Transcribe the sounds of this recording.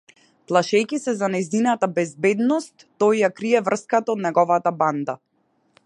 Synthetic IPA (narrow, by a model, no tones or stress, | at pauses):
plˠaʃɛjkisɛzanajzinat̪abɛzbɛd̪nɔst̪ːɔjjakɾiɛvr̩skat̪aɔd̪nɛɡɔvat̪aband̪a